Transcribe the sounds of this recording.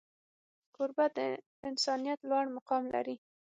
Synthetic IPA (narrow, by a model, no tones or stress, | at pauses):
qʊɾbad̪ə | ɪnsɑnijat̪lwɑɽmʊqɑmla̰ɾi